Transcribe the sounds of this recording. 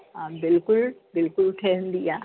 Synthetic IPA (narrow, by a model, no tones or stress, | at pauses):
ãbɪlkʊlbɪlkʊlʈʰɐɦə̃nd̪iaː